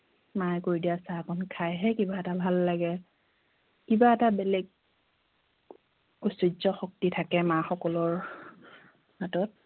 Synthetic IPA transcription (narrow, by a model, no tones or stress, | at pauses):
majkoɹidijasakʰɔnkʰajɦɛkibaɛtabʱalːaɡɛ | kibaɛtabelɛɡ̚ | osizɔxok̚titʰakɛmaxɔkɔlɔɹ | hatɔt̚